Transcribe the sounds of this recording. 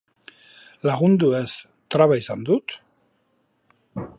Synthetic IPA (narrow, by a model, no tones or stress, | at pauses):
laɣund̪ues | t̪ɾaβajsand̪ut̪